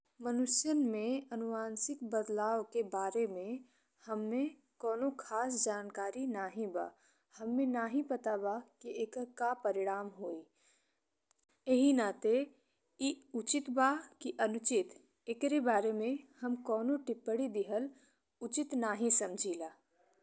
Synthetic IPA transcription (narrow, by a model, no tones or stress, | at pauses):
mənʊʃjənmẽɐnʊʋaːnsɪkbəd̪laːokebaːɾemẽ | həmːẽ | kɔːnokʰaːsd͡ʒaːnkaːɾinaːɦĩba̰ː | hɐmːẽnaːɦĩpɐt̪abakiekəɾkapəɾɪɽaːmɦoːi | eɦinat̪e | iʊt͡ʃɪt̪bakiʔɐnʊt͡ʃɪt̪ | ɪkɾebaːɾemẽhəmkɔːnõʈɪpːəɽid̪ɪɦəl | ʊt͡ʃɪt̪naːɦĩsɐmd͡ʒʱiːlaː